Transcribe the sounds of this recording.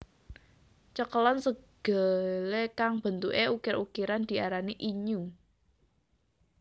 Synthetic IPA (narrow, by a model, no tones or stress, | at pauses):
t͡ʃəkəlɔnsəɡ̥ə̤lekaŋb̥ə̤nt̪uʔeukɪɾukiɾand̪̥i̤aɾaniʔiɲu